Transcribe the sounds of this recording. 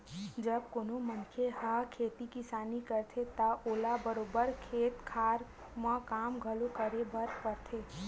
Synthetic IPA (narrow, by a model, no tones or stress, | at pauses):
d͡ʒəb̚koːnomənkʰehakʰeːt̪ikisaːnikəɾt̪ʰet̪əoːlabəɾoːbəɾkʰeːt̪kʰaːɾ | məkaːmɡʱəlokəɾebəɾpəɾt̪ʰe